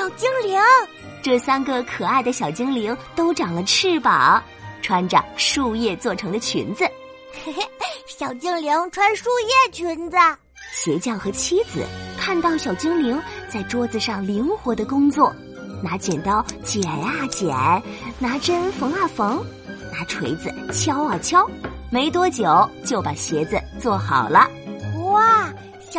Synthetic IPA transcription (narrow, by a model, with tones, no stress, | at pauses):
ɕjɑ˨˩ʊt͡ɕi˥ŋli˧˥ŋ | ʈ͡ʂɤ˥˩sa˥nɡə˨˩kʰɤ˨˩a˥˩ɪd̪ə˩ɕjɑ˨˩ʊt͡ɕi˥ŋli˧˥ŋt̪o˥ʊʈ͡ʂɑ˨˩ŋlə˧˦ʈ͡ʂ̩ʰ˥˩pa˨˩˦ | ʈ͡ʂʰwa˥nʈ͡ʂɑ̰˨˩ʂu˥˧jɛ˥˧t͡swɔ˥˩ʈ͡ʂʰɤ˧˥ŋd̪ə˧t͡ɕʰy̰˧˥nd͡z̩˧ | ɕjɑ˨˩ʊt͡ɕi˥ŋli˧˥ŋʈ͡ʂʰwa˥nʂu˥˧jɛ˥˩t͡ɕʰy˧˥nd͡zə˧ | ɕjɛ˧˥t͡ɕjɑ˥˩ŋxɤ˧˥t͡ɕʰi˥d͡zɹ̩̰˩kʰa˥˧nt̪ɑ˥˩ʊɕjɑ˨˩ʊt͡ɕi˥ŋli˧˥ŋt͡sa˥˩ɪʈ͡ʂwɔ˥d͡z̩˧ʂɑ˥˩ŋli˧˥ŋxwɔ˧˥d̪ə˧kʊ˥ŋt͡swɔ˥˩ | na˧˥t͡ɕjɛ˨˩nt̪ɑ˥˩ʊt͡ɕjɛ˨˩na˥˩t͡ɕjɛ˨˩˦nna˧˥ʈ͡ʂə˥nfɤ˧˥ŋa˥˩fɤ˧˥ŋ | na˧˥ʈ͡ʂʰwe˧˥ɪd͡zɹ̩˧t͡ɕʰjɑ˥ʊə˞˨˩t͡ɕʰjɑ˥ʊ | me˧˥ɪt̪wɔ˥t͡ɕjo˨˩˦ʊt͡ɕjo˥˩ʊpa˨˩ɕjɛ˧˥d͡zɨ˧t͡swɔ˥˩xɑ˨˩ʊlə˦wa˥˩